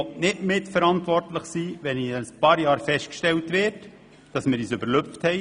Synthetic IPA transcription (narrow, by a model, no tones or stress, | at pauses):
nɪtmɪtfəɾɑntʋɔrtləχsiːʋɛnispɑːɾjɑːɾfɛʃt̚kʃtɛltʋɪːɾt | d̥ɑsmɪːɾiːsʏbəɾløfthɛɪ